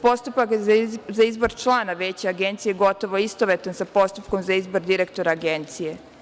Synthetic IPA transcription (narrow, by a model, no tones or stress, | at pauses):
po̞st̪upakzaizbo̞ɾt͡ʃlˠaːnaʋeːt͡ɕeaɡe̞nt̪sijeɡo̞t̪o̞ʋo̞ist̪oʋet̪ansapo̞st̪upkomzaizbo̞ɾd̪iɾekt̪o̞ɾaːɡent̪sije̞